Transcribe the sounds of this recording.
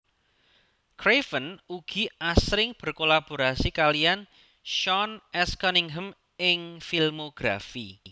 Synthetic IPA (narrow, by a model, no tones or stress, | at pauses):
kɾefənuɡ̥i̤asɾɪŋb̥ə̤rkolab̥o̤ɾasikalian | ʃɔnɛskɔniŋɦəm | ɪŋfilmoɡ̥ɾafi